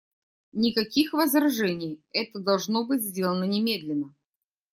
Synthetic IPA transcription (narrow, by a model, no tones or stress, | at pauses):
nʲɪkɐkʲixvəzɾɐʐɛnʲɪjɛt̪əd̪ɐlˠʐno̞bɨtʲzʲdʲelˠənənʲɪmʲe̞d̪lʲɪnːə